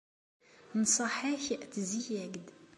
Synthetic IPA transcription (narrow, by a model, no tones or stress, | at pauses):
nsˤɑħaçəʔt̪zijæɡd̪